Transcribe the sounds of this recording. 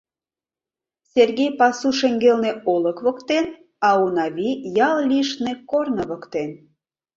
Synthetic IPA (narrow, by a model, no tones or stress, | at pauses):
sʲerɣejpɑsuʃĕŋɡelneolə̆kβə̆kt̪en | ɑunɑβijɑllʲiʃnekornəβəkt̪en